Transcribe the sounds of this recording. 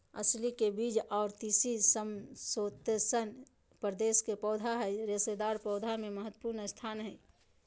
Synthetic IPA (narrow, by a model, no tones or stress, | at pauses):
ə̰slikebiːd͡ʒɔːɾt̪iːsisəmsoːt̪sən | pɾəd̪eːskepɔːd̪ʱaɦɛɾesed̪aːɾpɔːd̪ʱamẽməɦət̪wə̥puːɾnst̪ʰaːnɦɛː